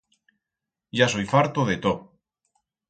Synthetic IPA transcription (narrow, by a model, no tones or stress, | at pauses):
ʒasojfaɾt̪oðet̪o